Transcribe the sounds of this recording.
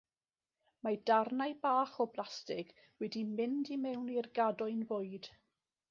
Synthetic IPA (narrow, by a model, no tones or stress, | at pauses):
madarnajbaːχɔblˠastɪɡ̥ | wɛdimɪndimɛwnirɡadɔɨnvʊɨd̥